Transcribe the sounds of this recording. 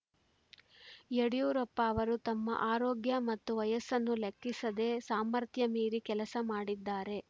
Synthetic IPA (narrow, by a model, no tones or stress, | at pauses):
jeɽijuːɾɐpːɐːʋɐɾut̪ɐmːɐ̰ʔaːɾoːɡjɐmɐt̪ːuʋɐjɐsɐnːulekːisɐd̪e̞ːsaːmɐɾt̪ʰjɐmiːɾikɛlɐsɐmaːɽid̪ːaːɾe̞